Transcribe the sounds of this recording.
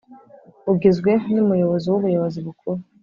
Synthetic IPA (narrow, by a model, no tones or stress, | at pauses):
uɡizɡwenimujo̞βoziwuβujoβoziβukʰuɾu